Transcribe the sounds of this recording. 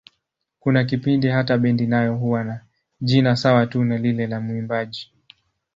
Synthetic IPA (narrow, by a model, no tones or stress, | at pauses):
kunak̬ipindiɦataɓɛndinajɔɦuwana | ʄinasawatunalilɛlamuimbaʄi